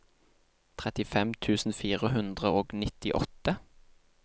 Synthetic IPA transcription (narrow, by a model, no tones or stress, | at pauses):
t̪ʰʁɛt̪ɪfɛmt̪ʰʉːsn̩fiːʁəhʉnd̪ʁəoːɡnɪt̪ɪʔɔ̰t̪ə